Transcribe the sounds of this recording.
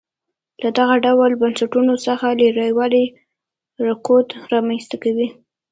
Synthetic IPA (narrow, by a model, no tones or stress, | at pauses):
lad̪aɣaɖawalbansaʈunosəxaləɾajwɑli | ɾakot̪ɾɑmanst̪akawi